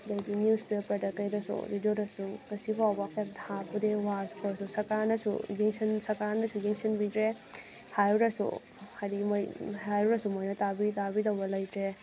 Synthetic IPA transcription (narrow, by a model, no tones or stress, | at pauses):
dajdinispepɐɾdɐkɐjɾɐsṵɾidoɾɐsuŋɐsipʰawbakap̚dapudewaspʰɔɾsusɐkaɾnɐsṵɡiŋsinsɐkaɾnɐsuɡiŋsinbitɾe | hajɾɐsṵ | hadimojhajɾɐsumojnɐtabitabidawbɐlɐjtɾe